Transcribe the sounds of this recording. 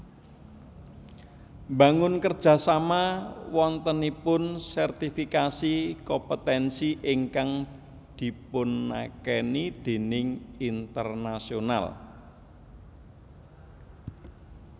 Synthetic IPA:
mba̤ŋʊnkərd̥ʒ̥ä̤samawɔnt̪ənipʊnsɛrt̪ifikasikɔmpət̪ɛnsiʔɪŋkaŋ | d̪̥i̤pʊnːa̰kɛnid̪̥e̤nɪŋint̪ərnasiona̰l

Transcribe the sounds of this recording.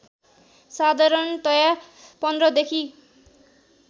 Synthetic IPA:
sad̪ʱaɾʌnt̪ʌja | pʌnd̪rʌd̪ekʰi

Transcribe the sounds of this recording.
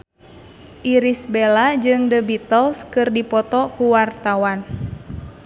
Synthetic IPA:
ʔiɾisbelad͡ʒɨŋdəbit̪əlskɨrdipɔt̪ɔkuwart̪awan

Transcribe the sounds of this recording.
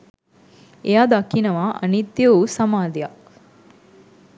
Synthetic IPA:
ejaːd̪akinɐʋaʔɐ̰nit̪ːjɐusɐmaːd̪eja

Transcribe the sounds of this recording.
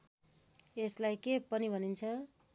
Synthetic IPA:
eslajkepʌnibʱʌnint͡sʰʌ

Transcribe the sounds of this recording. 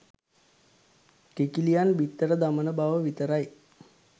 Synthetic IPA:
kekilijanbit̪ːəɾəd̪amənəbaʋəʋit̪əɾaj

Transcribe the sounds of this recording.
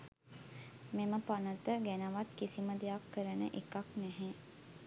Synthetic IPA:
meməpanət̪əɡænəʋat̪kisiməd̪ejakːəɾənə̰ʔekaknɛɦe

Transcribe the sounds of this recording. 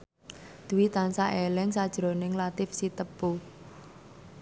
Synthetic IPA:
d̪̥uwit̪ansaʔelɪŋsad̥ʒ̥ɾonɪŋlat̪ɪfsit̪əpːu

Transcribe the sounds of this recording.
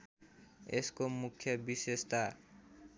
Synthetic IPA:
eskomukʰjʌbisest̪a

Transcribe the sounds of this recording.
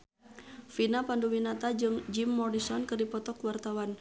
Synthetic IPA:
finapanduwinat̪ad͡ʒɨŋd͡ʒimːɔrɾisɔnkɨrdipɔt̪ɔkwart̪awan

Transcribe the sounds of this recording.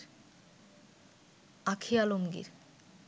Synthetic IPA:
ɾ | akʰialomɡḭɾ

